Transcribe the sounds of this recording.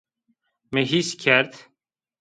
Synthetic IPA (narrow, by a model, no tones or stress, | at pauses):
meɦiskʰæɾt̪